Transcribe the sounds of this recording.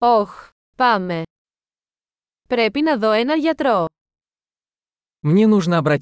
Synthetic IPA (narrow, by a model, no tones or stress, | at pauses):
ox | pɐme̞ | pɾepinɐðo̞enɐʝɐt̪ɾo̞ | mnʲenuʐnəɐbɾɐ